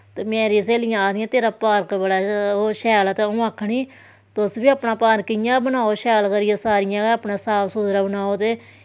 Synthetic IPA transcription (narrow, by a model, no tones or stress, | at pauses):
t̪eːmeːɾiːs̬eːlɪjãːd̪ɪjãːt̪eːɾaːpaːɾkbəɽaːoːʃɛːlt̪eːʊãːkʰːɳiː | t̪ʊsbiːaːpnaːpaːɾkɪjãːbənaːoːʃɛːlkəɾɪjãːsaːɾɪjãːaːpnaːsaːpsuːd̪ɾaːbənaːoːt̪eː